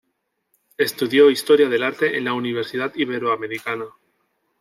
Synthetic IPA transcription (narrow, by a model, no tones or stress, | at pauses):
e̞st̪uðjo̞ist̪oɾjað̞e̞laɾt̪e̞ʔenlauniβ̞e̞ɾsiðat̪iβ̞e̞ɾoame̞ɾikana